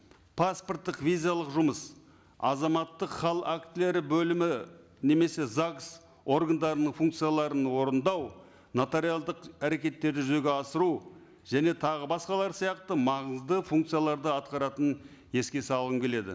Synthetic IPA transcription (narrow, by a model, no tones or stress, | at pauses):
pʰasport̪ːəqvijzijalˠəqʒʊməs | ɑ̰zɑmɑt̪ːəqχɑlˠakt̪ɪle̞ɾɪbɵlɪmɪ | ne̞me̞se̞zaks | o̞ɾɡand̪ɑɾənəɴfuŋkt̪sɨjalˠɑɾənwo̞ɾənd̪ɑw | not̪eɾijalˠd̪əqæɾe̞kʲe̞t̪ːe̞ɾd̪ɪʒʏze̞ɡʲe̞ɑsəɾu | ʒ̥æne̞t̪ʰɑʁəbɑsqɑlˠɑɾsijɑqt̪əmɑʁəzd̪əfuŋkt̪sijalˠɑɾd̪əɑt̪̚qɑɾɑt̪ən | je̞skʲe̞sɑlˠʁəmkʲe̞le̞d̪ɪ̰